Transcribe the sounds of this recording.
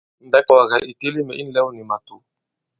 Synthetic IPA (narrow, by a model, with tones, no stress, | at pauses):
n̩˨dɛ˦ka˨wa˨ɣa˨ʔi˨te˦li˦mɛ˨ʔi˦n˨lɛ˦wu˦ni˨ma˨tu˨